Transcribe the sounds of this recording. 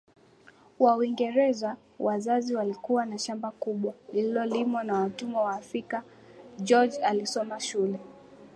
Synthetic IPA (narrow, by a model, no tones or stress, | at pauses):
wauiŋɡɛɾɛza | wazaziwalikuwanaʃambakuɓwalililɔlimwanawatumɛwaːfɾika | d͡ʒɔd͡ʒalisɔmaʃulɛ